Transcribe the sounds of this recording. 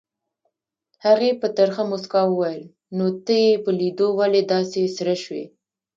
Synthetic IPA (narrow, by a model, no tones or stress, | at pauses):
haɣepət̪aɾxamʊskɑwəwajəl | not̪əjepəlid̪owaled̪ɑsesɾaʃwḛ